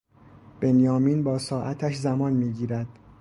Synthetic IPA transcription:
b̥e̞njɒːmiːnbɒːsɒːʔæt̪ʰæʃzæmɒːnmiːɟiːɾæd̪̥

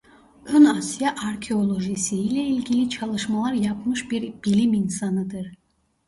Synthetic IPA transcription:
ønasjaʔaɾcʰeo̞lˠo̞ʒisiilʲɛilʲɟʲilʲit͡ʃʰalˠɯʃmalˠaɾjapmɯʃbiɾb̥ilʲiminsanɯd̪ɯɾ̥

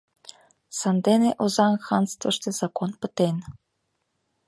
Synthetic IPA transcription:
sɑnd̪eneʔozɑnxɑnst̪vɤ̆ʂt̪ĕz̥ɑkonpɘ̆t̪en

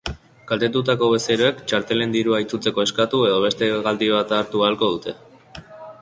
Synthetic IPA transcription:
kalt̪e̞t̪̬ut̪̬ako̞βe̞seɾoe̞kt͡ʃaɾt̪e̞le̞nd̪iɾuajt͡sut͡se̞ko̞e̞skat̪ue̞ðo̞βe̞st̪e̞ɣald̪iβ̞at̪aːɾt̪ualko̞ð̞ut̪e̞

